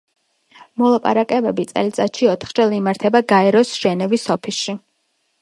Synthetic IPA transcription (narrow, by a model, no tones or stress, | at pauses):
mɔlˠapʼa̰ɾakʼɛbɛbit̪sʼɛ̰lit̪sʼat̪ʃiɔt̪ʰχt͡ʃʼɛlˠimaɾt̪ʰɛbaɡaɛɾɔsʒ̥ɛnɛvisɔpʰisʃi